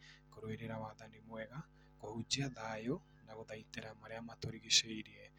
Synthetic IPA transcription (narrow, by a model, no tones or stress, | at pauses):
koɾoeɾeɾaβaðanimwɛɣa | kohud͡ʒiaðajo | naɣoðaiteɾamaɾeamatoɾiɣeseiɾie